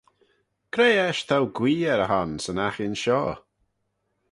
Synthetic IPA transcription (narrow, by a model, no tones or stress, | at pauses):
kʰɾejɛʃt̪ʰawɡwiːɛɾəɦansənaxɪnʃɔː